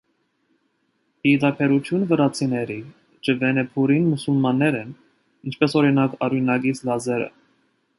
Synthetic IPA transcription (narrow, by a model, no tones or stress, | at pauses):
hid̪ɑpʰɛɾut̪ʰjunvəɾɑt͡sʰinɛɾi | t͡ʃəvɛnɛpʰuɾinmusulmɑnːɛɾɛn | int͡ʃʰpɛsɔɾinɑkʰɑɾunɑɡit͡sʰlɑzɛɾə̰